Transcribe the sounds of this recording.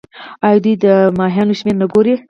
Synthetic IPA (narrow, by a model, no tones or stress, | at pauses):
ɑjd̪ujd̪əmɑɦjɑnoʃmeɾnaɡoɾi